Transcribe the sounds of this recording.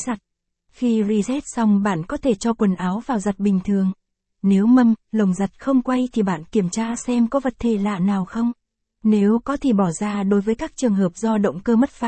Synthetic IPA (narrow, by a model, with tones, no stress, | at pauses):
za˨˩t̚ | xi˧zi˧zɛ˦˥t̚sa˧wŋ͡mɓa̰ː˧˨nkɔ˨˦t̪ʰe˧˩t͡ɕɔ˧kwə˨˩nʔaː˨˦wvaː˨˩wza˨˩t̚ɓï˨˩ŋ̟t̪ʰɨ˨˩əŋ | ne˨˦wmə˧mlə˨˩wŋ͡mzə˨˩t̚xə˧wŋ͡mkwa˧jt̪ʰi˨˩ɓa̰ː˧˨nki˧˩əmt͡ɕaː˧sɛ˧mkɔ˨˦və˨˩t̚t̪ʰe˨˩la̰ː˧˨naː˨˩wxə˧wŋ͡m | ne˨˦wkɔ˨˦t̪ʰe˨˧˩ɓɔ˧˩zaː˧ɗo˨˦jvəː˨˦jkaː˦˥k̚t͡ɕɨ˨˩əŋɦəː˨˩p̚zɔ˧ɗə̰˧˨wŋ͡mkəː˧mə˦˥t̚faː˧˥